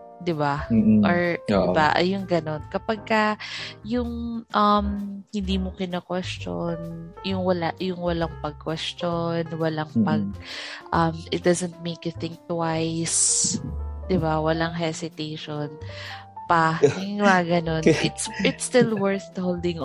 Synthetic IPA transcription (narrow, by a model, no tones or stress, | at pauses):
d̪ɪbaʔɔɹd̪ɪbaʔjʊŋɡɐno̞nkɐpɐɡ̚kɐjʊŋʔɐmhɪnd̪iːmokɪnakwɛst͡ʃonjʊŋwɐlaʔjʊŋwɐlaŋpɐɡ̚kwɛst͡ʃonwɐlaŋpɐɡ̚ʔɐmʔɪt̪̚d̪azɛnt̪̚mejkɪθɪŋ̚t̪wajs | d̪ɪbawɐlaŋɦɛsɪt̪ejʃonpɐɪwaɡɐno̞nʔɪt̪sɪt̪st̪ɪlwɛɹθhowld̪ɪ̃ŋ